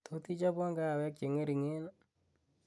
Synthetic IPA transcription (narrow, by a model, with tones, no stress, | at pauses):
t̪o˦t̪i˦t͡ʃa˦pwɔ˦ŋɡa˦˨wɛ˦k̚t͡ʃe˨ŋe˦ɾi˨ŋe˦n